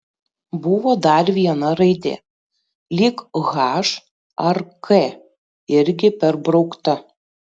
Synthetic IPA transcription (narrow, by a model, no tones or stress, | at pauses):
bʊʋoːd̪ɐɾʋʲiɛnɐɾɐɪd̪ʲḛː | lʲiːkɣɑːʃ | ɐɾkʰe | ɪɾʲɡʲɪpʲɛɾbɾɐʊkt̪ɐ